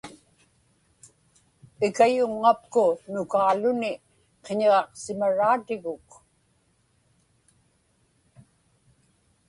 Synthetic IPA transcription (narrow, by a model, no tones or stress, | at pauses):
ɪkajʊŋːap̚kʊnʊkaːlʊnɪ | qeɲeʁɑqsɪmaɻaːt̪ɪɣʊk